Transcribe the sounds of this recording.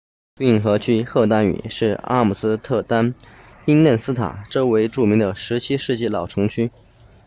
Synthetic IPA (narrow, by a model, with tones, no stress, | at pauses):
pi˥˩ŋxɤ˧˥t͡ɕʰy˥xɤ˥˧t̪a˥ny̰˨˩ʂɻ̩˥˩a̰˥mu˨˩sɹ̩˥t̪ʰɤ˥˧t̪a˥n | pi˥ŋnə˥˩nsɹ̩˥t̪ʰa̰˨˩˦ʈ͡ʂɤ˥˩we˧˥ɪʈ͡ʂu˥˩mi˧˥ŋd̪ə˧ʂɻ̩˧˥t͡ɕʰi˥ʂɻ̩˥˧t͡ɕi˥˩lɑ˨˩ʊʈ͡ʂʰɤ˧˥ŋt͡ɕʰy˥